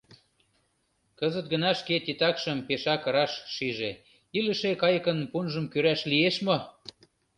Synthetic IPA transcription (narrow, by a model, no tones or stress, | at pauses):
kəzət̪̚ɡə̆nɑʃket̪it̪ɑkʃəmpeʃɑkɤɾɑʃʃiʒe | iləʃekɑjəkə̆npunʒə̆mkøɾæʃlieʃmo